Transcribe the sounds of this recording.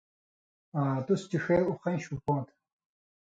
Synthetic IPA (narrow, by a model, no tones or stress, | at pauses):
aːt̪ust͡ɕiʂeːuχɐ̃ɕupõːt̪ʰ